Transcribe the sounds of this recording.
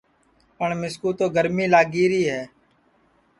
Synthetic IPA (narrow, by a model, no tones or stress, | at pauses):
pəɳmɪskuːt̪oːɡəɾmiːlaːɡiːɾiːɦɛː